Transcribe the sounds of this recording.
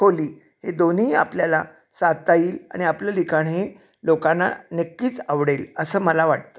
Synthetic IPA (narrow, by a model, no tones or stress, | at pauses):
oliː | hed̪oniːa̰pljala | sat̪ajiːla̰ɽ̃iapljalikʰaɳɦe | lokanːa̰nekːiːt͡saʋɽeləsəːməlaʋaʈ̚t̪ə̥